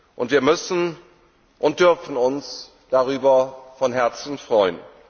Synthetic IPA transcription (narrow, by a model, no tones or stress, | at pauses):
ʔʊntv̥iːɐmʏsn̩ | ʔʊnt̚d̥ʏɐfn̩ʊns | d̥aʁyːbɐfɔnɦɛɐt͡sn̩fʁ̥ɔʏən